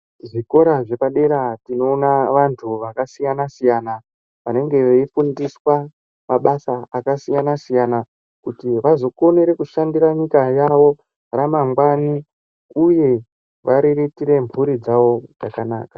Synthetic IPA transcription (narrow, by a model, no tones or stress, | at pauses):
ʐiko̞ɾaʐe̞paɗe̞ɾatino̞ːnaʋantʰuʋakasijanasijana | ʋa̰ne̞ŋɡe̞ʋeifundiswa | maɓasaakasijanasijana | kutiʋazo̞ko̞neɾe̞kuʃandiraɲikajaʋo̞ | ramaŋɡwani | uje̞ | ʋaɾiritiɾe̞mbuɾid͡zaʋo̞d͡zakana̰ːkḁ